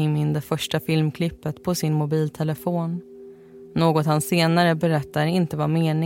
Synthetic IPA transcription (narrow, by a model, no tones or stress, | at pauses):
ɪmɪnd̪ɛfœʂʈafɪlmkʰlɪpːət̪pʰɔsɪnmʊbiːlt̪ʰɛləfoːnː | oːɡɔt̪hanseːnaɾəbɛɾɛt̪ːaɾɪnt̪əvameːnɪ